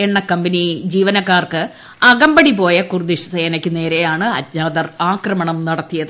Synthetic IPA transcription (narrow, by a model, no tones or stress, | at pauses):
eɳːɐkɐmbɐnid͡ʑiːʋɐnɐkːaːrkɨ | ɐɡɐmbɐɽipo̞ːjɐkurd̪iʂɐ̥sɐjɐnɐkʲːune̞ːɾejaːɳɨɐt̪ɲaːd̪ɐraːkrɐmɐɳɐmnɐɽɐt̪ːijɐðɨ